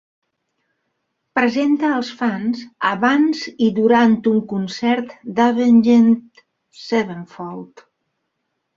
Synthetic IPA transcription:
pɾəzent̪əːlˠsfanzəβanziðuɾant̪uŋkunsɛɾt̪d̪aβenʒent̪ | seβəɱfɔlˠt̪

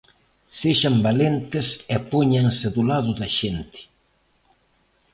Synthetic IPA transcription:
seʃambalent̪ɪsɛpoɲaŋsɪðʊlaðʊðɐʃent̪ɪ̥

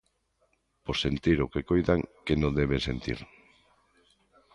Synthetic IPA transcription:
posent̪iɾokekojðaŋkenõd̪ɛβesent̪ḭɾ

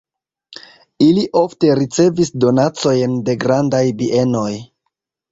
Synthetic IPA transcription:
iliʔo̞fte̞ɾit͡se̞visdo̞nat͡so̞jnde̞ɡɾandajbiʔe̞no̞j

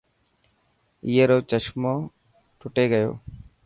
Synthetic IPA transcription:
ɪjeːɾoːt͡ʃəʃmoː | ʈʰʊʈeːɡəjo̰ː

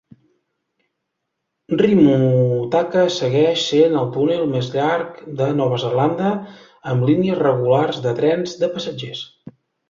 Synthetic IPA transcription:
rimut̪akəsəɣɛʃsenəlˠt̪unelˠmezʎaɾkd̪ənɔβ̞əzərland̪ə | əmliniəzrəɣularzðət̪ɾɛnzd̪əpəsəd͡ʒes

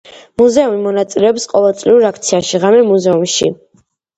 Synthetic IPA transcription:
muzɛumimɔnat̪sʼilɛɔpsqʼɔvɛlˠt̪sʼliuɾakʰt̪sʰiaʃiʁamɛmuzɛumʃḭ

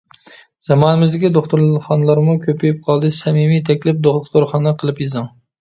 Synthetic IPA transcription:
z̥ɑmɑnɪmɪzd̪ɪkʲid̪oχt̪ʊɾχɑnlˠɑɾmukʲʰøpjɪp̚qʰɑlˠd̪ɨsɛmimijt̪ʰɛkʲlɪp̚d̪oχχt̪ʊɾχɑnɛqʰəlˠɪpjizɨŋ

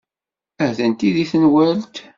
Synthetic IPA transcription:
æhðənt̪iðiθənwælt̪

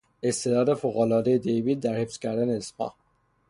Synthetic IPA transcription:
est̪ʰed̪ɒːd̪efoɣolɒːd̪ejed̪ejviːt̪̚d̪æɾhefscʰæɾd̪æneːspɒ̰ːh

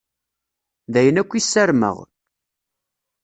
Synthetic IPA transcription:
ðæjənækʷːisːæɾmə̰ʁ

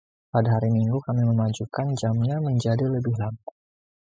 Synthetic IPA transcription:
padaɦaɾimiŋɡukamiməmad͡ʒukand͡ʒamɲaməɲd͡ʒadiləbiɦlan

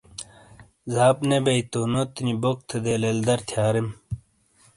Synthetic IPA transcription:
zaːpnebɐit̪oːnot̪inibok̚t̪ʰed̪eːleld̪ɐɾt̪ʰjaːɾem

